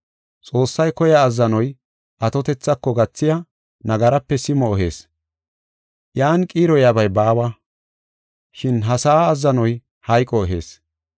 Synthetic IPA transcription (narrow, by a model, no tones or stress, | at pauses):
t͡sʼo̞ːsːɐjkɔjaːzːɐnɔj | ʔɐt̪ɔt̪ɛt͡sːɐkːɔɡɐt͡sːɪja | nɐɡɐɾɐpːɛsɪmɔːɦe̞̰ːs | ʔjaːnkʼiːɾɔjabɐjbaːwɐ | ʃɪnɦɐsaːzːɐnɔj | hɐjkʼːɔɔɦe̞̰ːs